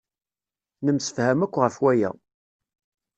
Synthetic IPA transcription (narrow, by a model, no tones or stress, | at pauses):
nəmsə̥fhæmækʷːʁəfwæjæ̰